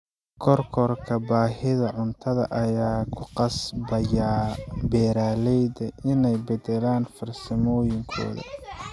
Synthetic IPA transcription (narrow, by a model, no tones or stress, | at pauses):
kʰɔrkʰɔrkʰɐbaːɦɪðɐʕʊnt̪ʰɐðɐ̰ʔɐjaːkʰʊqɑsbɐjabɛːɾaːlɛjdɐʔɪnɛjbɛd̪ɛlaːnfɐrsɐmɔːjɪŋkʰɔ̰ːðɐ̰